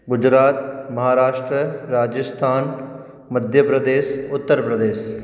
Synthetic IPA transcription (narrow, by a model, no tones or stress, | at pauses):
ɡʊd͡ʒɾaːt̪mɐɦaːɾaːʃʈɾəɾaːd͡ʒəst̪ʰaːn | məd̪ʱjəpɾəd̪eːsʊt̪ːəɾpɾəd̪eːs